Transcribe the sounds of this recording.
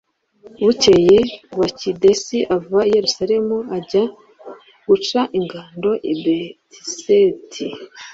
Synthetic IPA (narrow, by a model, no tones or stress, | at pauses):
βucejeβwacidesiʔavuβaije̞ɾusaɾe̞muaɟa | ɡ̥ut͡ʃaʔiŋɡaːndo̞ʔibetisetʰi